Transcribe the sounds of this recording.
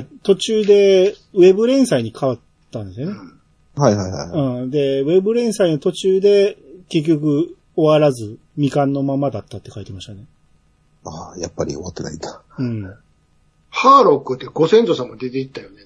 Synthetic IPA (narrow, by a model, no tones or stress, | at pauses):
t̪o̞t͡ɕɨːd̪e̞βe̞bɯ̟ɾẽ̞ɰ̃saiɲ̟ikʰaβat̪ːãnd̪e̞sɨjone | haiɦajha̰jɯ̟̃ːɴd̪e̞βe̞bɯ̟ɾẽ̞ɰ̃saino̞t̪o̞t͡ɕɨːd̪e̞ke̞k̬ʲːo̞kɯ̟ | o̞βaɾazɨ | mʲikãnːo̞mamad̪at̪ːat̪ːe̞kait̪e̞maɕi̥t̪ane | aːjapːaɾʲḭo̰at̪ːena̰inḁ | ɯ̟̃ɴ | haːɾo̞kːɯ̟t̪ːeɡo̞sẽ̞nt̪osãmod̪e̞t̪e̞it̪ːajo̞ne